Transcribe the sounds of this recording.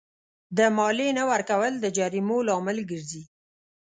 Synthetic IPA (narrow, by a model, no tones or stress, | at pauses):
d̪əmɑlenawaɾkawəld̪əd͡ʒaɾimolɑmɪlɡəɾzi